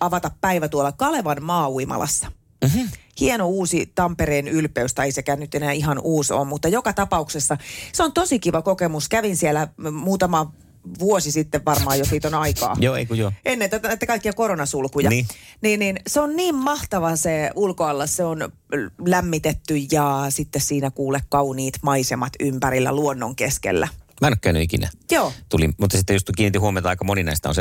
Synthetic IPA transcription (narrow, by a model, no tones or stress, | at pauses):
ɑʋɑt̪ɑppæiʋæt̪uolːɑkɑleʋɑnmɑːuimɑ̰lɑ̰sːɑ̥ | hienouːsit̪ɑmpeɾeːnylpeyst̪æeisekæːnnyt̪enæːiɦɑnʔuːso̰ːmmut̪ːɑjokɑt̪ɑpɑuksesːɑseont̪osikiʋɑkokemuskæʋinsielæmuːt̪ɑmɑ | ʋuosisit̪ːeʋʋɑrmɑːjosiːt̪onɑikɑ̰ːjoːḛikujoʔenːent̪æt̪ænæit̪ːækɑikːijɑkoɾonɑsulkujɑːniːnninseonniːmmɑht̪ɑʋɑseulkoɑlːɑsseon | læmːit̪et̪ːyjjɑsit̪ːessiːnækuːlekkɑuniːt̪mɑisemɑt̪ympæɾilːæ̰luonːoŋkeskḛlːæ̰mænkːˑøːny̰ikinæ̰joːt̪ulḭmmut̪ːɑsit̪ːejust̪ukiːnit̪ːihuomet̪ɑɑˑikːɑmoninɑist̪ɑ̰o̰nse